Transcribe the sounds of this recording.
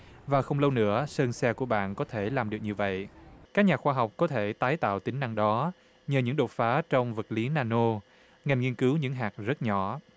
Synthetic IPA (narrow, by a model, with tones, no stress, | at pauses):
vaː˨˩xə˧wŋ͡mlə˧wnɨ̰˧˥əsəː˧nsɛ˧ku˧˩əɓa̰ː˧˨nkɔ˨˦t̪ʰe˧˩laː˨˩mɗɨ˨˩ək̚ɲɨ˧və̰˧˨jkaː˦˥k̚ɲaː˨˩xwaː˧ɦɔ˨˩wk͡p̚kɔ˨˦t̪ʰe˧˩t̪aː˨˦jt̪a̰ː˧˨wt̪ï˨˦ŋna˧ŋɗɔ˨˦ | ɲəː˨˩ɲɨ̰˧˥ŋɗo˨˩t̚faː˨˦t͡ɕɔ˧wŋ͡mvə˨˩t̚li˨˦naː˧no˧ | ŋa˨˩jŋi˧ənkɨ˨˦wɲɨ̰˧˥ŋɦaː˨˩k̚zə˦˥t̚ɲɔ˧˩